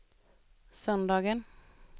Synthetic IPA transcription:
sœnd̪ɑːɡən

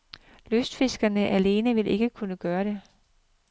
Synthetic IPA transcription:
løsd̥fe̝sɡ̥ɐnəʔæle̝ːnəʋe̝lʔe̝ɡ̥əkʰunəɡ̥ɶːɐɾ̥e̝

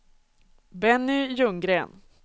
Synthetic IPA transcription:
bɛnːɪjɵŋɡɾeːn

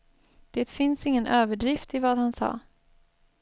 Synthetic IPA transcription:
d̪̥eːt̪fɪnsɪŋːənʔøːvəɖɾɪft̪ɪvaːd̪hansɑ̰ː

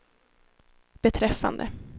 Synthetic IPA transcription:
b̥ɛt̪ʰɾɛfːa̰nd̪ə̰

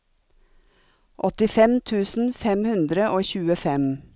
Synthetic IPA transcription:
ʔɔt̪ɪfɛmt̪ʰʉːsn̩fɛmhʉnd̪ɾəʔoːçʉːəfɛm

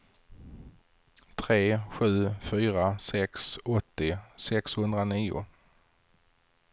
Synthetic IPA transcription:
t̪ʰɾeːɧʉ̟ːfyːɾasɛksɔt̪ːɪsɛkshɵnd̪ɾaniːʊ̰

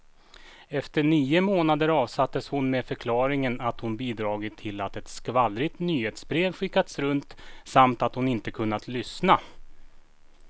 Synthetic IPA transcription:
ɛft̪əɳiːʊmoːnad̪əɾɑːvsat̪ːəshʊnmeːfœɾkʰlɑːɾɪŋənat̪hʊnbiːd̪ɾɑːɡɪt̪ʰːɪlːat̪ɛt̪skvalːɾɪt̪nyːheːt̪sbɾeːvɧɪkːad̪sɾɵnt̪samt̪at̪hʊnɪnt̪əkʰɵnːat̪ʰlʏsna

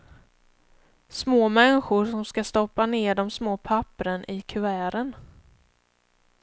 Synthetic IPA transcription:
smoːmɛnɧʊɾʂɔmskast̪ɔpːaneːɖɔmsmoːpʰapːɾənʔɪkʰɵæːɾən

